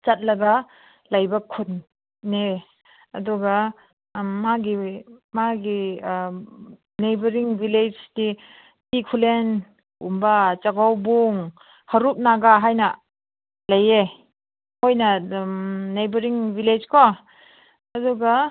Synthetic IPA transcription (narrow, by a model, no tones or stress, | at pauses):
t͡ʃat̚lɐɡa | lajbakʰut̚ | ne | ɐ̰duɡa | maɡimaɡi | nejbɐɾiŋbiled͡ʒdi | kikʰulen | ṵmbat͡ʃaɡawbuŋ | hɐɾup̚naɡaɦajnɐ | laje | hojnɐ | nejbɐɾiŋbiled͡ʒkɔ | ɐduɡa